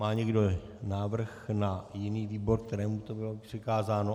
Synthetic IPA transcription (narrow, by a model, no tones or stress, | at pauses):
aːɲɛɡdo̞ | naːvr̩xnajɪniːviːbo̞ɾk̚t̪ɛɾɛːmut̪obɪlopr̥ɛkaːzaːno